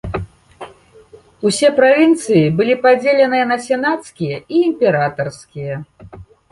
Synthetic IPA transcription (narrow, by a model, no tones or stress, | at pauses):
usʲɛpɾavʲint̪sɨjibɨlʲipad͡zʲelʲɛnɨjɛnɐsʲɛnat̪skʲijɐiːmʲpʲɛɾat̪ɐrskʲijɐ